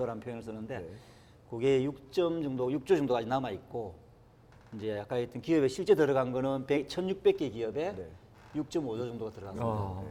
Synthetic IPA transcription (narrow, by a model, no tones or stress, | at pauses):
ʌɾanpʰjojnɯɭs͈ɯnːɯnde̞ | koɡeːjuk̚t͡ɕ͈ʌmd͡ʑʌŋdojuk̚t͡ɕ͈od͡ʑʌŋdoainamaik͈o | ind͡ʑe̞jak͈ait͈ɯnkiʌbeɕʰiɭt͡ɕ͈e̞tɯɾʌɡanɡʌnɯnpek̚t͡ɕʰʌnjuk̚p͈e̞k͈̚ekiʌbe̞ | juk̚t͡ɕ͈ʌmod͡ʑod͡ʑʌŋdoɡatɯɾʌɡana